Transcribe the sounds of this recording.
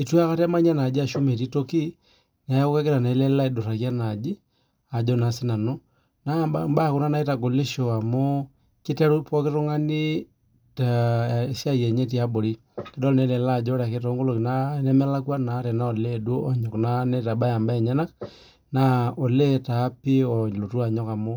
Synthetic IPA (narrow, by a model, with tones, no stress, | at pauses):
i˨twa˦ka˦tɛ˦ma˦ɲa˦na˨d͡ʒi˦a˨ʃu˦me˨ti˦to˦ki˦ | na˨˦o˦ka˦kɪ˦ɾa˨na˨˦lɛ˦la˦i˨dʊ˨ra˨kja˦na˨d͡ʒi˦ | a˨d͡ʒɔ˦na˨sɪ˦na˨no˦ | na˦˨mba˦˨kʊ˦na˦na˦i˦ta˨ɡo˨li˦ʃo˨a˨mo˦ | kɪ˦tɛ˦ɾu˦pɔ˦kɪ˦ɾʊ˦ŋa˦ni˦ | ta˨sja˦jɛ˨ɲe˦t̬i˦a˦bo˨ɾi˦ | kɛ˦dɔ˦lnɛ˨˦lɛ˨la˦˨d͡ʒɔ˦ɾa˨ke˦tɔ˨˦ŋɡo˦lo˨kna˦nɛ˦mɛ˦la˦kwa˦na˨˦ɾɛ˨na˦ɔ˨le˦du˦ɔ˨ɲɔ˨kna˦nɛ˦ta˨ɓa˦ja˨mba˦ɛ˨ɲa˦na˦k | na˦ɔ˨lɛ˦taː˨˦pi˦ɔ˨lo˨tu˦a˨ɲɔ˦ka˨mo˦